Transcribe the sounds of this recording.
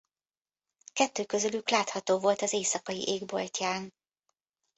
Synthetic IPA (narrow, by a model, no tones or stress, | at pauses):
kɛt̪ːøːkø̞zølyklaːt̪hɒt̪oːvo̞lt̪ɒzeːsɒkɒjḭʔeːɡbo̞̰lcaːn